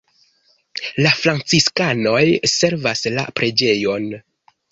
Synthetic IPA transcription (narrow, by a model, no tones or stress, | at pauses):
lafɾant͡siskano̞jse̞ɾvasla̰pɾe̞d͡ʒe̞jo̞n